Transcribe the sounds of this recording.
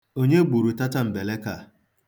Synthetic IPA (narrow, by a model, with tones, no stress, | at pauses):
o˦ɲe˦ɡ͡bu˨ɾu˨ta˦ta˦m̩˨be˨le˦ka˦˨